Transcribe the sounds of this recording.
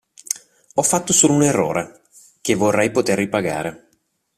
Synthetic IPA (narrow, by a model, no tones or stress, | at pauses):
ɔfːat̪ːosoːlounerːo̰ːɾʔe | k̟evːorːɛjpot̪erːipaɡa̰ːɾe